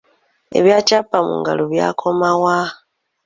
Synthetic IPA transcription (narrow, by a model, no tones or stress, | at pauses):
e̞̰βjaːcapːamṵŋɡa̰loβja̰ːkʰo̞mawa